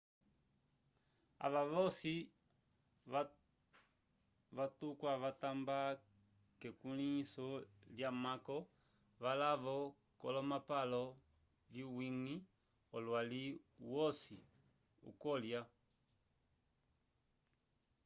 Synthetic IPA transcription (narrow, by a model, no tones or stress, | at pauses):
a̰ʋaʋɔsi | ʋatukwaʋatamba | kɛkunisɔljamakɔ | ʋalaʋɔ | kɔ̰lɔmapalɔ | liwiŋi | ɔlwaliwɔsi | ṵkɔlja